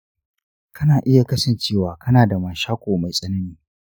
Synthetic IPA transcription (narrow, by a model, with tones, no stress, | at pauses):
kʰɐ˦naː˨ʔɪ˦ja˨kɐ˦sɐ˦˨nt͡ʃeː˦˨waː˨kʰɐ˦naː˨da˨maː˨ʃaː˦kʷoː˨ma˨jsʼɐ˦nɐ˦niː˦